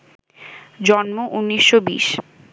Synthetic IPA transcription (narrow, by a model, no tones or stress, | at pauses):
d͡ʑɔnmoʔunːiʃːobḭʃ